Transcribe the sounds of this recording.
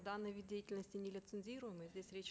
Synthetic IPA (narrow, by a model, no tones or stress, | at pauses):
d̪anːɨjʋʲid̪̚ʲejɪtʲɪlʲnəsʲtʲɪnʲɪlʲɪt̪sɨnʲzʲiɾʊjəmɨzʲdʲesʲɾʲet͡ɕ